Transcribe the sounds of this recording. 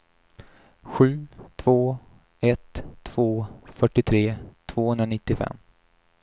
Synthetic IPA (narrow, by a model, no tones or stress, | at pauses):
ɧʉ̟ːt̪ʰvoː | ɛt̪ʰːv̥oːfœʈːɪt̪ʰɾeːt̪ʰvoːhɵnd̪ɾanɪt̪ːɪfɛ̰mː